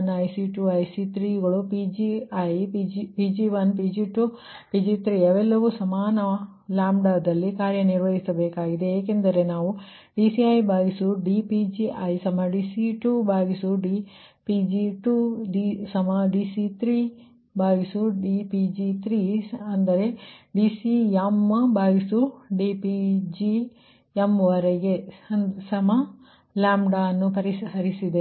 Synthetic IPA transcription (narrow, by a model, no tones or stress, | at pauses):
nɐjsiʈuːɐjsit̪ɾiːɡɐɭupid͡ʒiɐjpid͡ʒipiːd͡ʒiʋɐnpiːd͡ʒiʈu | pid͡ʒit̪ɾiɐʋɛlːɐʋusɐmaːnɐ | laːmɖaːd̪ɐlːikaːɾjɐniɾʋɐɦisɐbeːkaːɡid̪e̞eːkend̪ɐɾe̞naːʋu | ɖisiɐjbaːɡisuɖipid͡ʒiʔɐjsɐmɐɖiːsiʈubaːɡisuɖi | pid͡ʒiʈuɖisɐmɐɖiːsit̪ʰɾiː | bʱaːɡisuɖipid͡ʒit̪ʰɾiɐnd̪ɐɾe̞ɖiːsiɐmːbaːɡisuɖiːpid͡ʒi | emʋɐɾeɡe̞ɐnsɐmɐ | laːmɖaɐnːupɐɾisɦɐɾisid̪e